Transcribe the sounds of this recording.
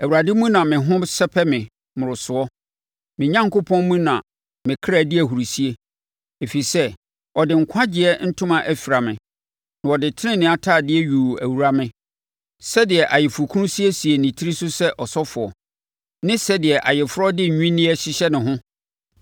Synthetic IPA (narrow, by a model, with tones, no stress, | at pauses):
æ˨wu˨ɾa˨dɪ˦mũ˦nã˨mɪ̃˨ɦʊ̃˦sɛ˦pʰɛ˦mɪ̃˨ | mʊ̃˨ɾʊ˨sʊ˨ɔ˦ | mɪ̃˨ɲã˦ŋko˦pʰɔ̃˦nmũ˦nã˨ | mɪ̃˨kʰɾa˨dɪ˦æ˨ɦu˨ɾi˨si˦e˦ | e˨fi˨i˨sɛ˦ | ɔ˨dɪ˨ŋ̩˨kʷʰã˦d͡ʑɪ˨ɛ˦n̩˦tʰʊ̃˦mã˨ʔæ˨fi˨ɾa˨mɪ̰̃˨ | nã˨ɔ˨dɪ˨tʰɪ˦nɪ̃˦nɪ̃˨˦a˨tʰaː˦˨dɪ˦ɛ˦ɥu˨æ˨wu˨ɾa˦mɪ̃˨ | sɛ˦dɪ˨ɛ˨ʔa˨jɪ˨fu˨kʰʊ̃˦si˦e˦si˨e˨nĩ˨tʰi˦i˦sʊ˦sɛ˦ʔɔ˨sɔ˦fʊ˨ɔ˨ | nɪ̃˦sɛ˦dɪ˨ɛ˨ʔa˨jɪ˨fʊ˦ɾɔ˦dɪ˦˨ɲᶣũ˦nĩ˦ɛ˦ɕi˦ɕɛ˦nɪ̃˨ɦʊ̃˦